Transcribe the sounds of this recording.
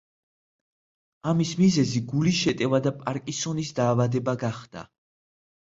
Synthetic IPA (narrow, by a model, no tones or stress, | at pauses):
amismizɛziɡulisʃɛt̪ʼɛvad̪apʼaɾkʼisɔnisd̪aːvad̪ɛbaɡaχd̪̥a̰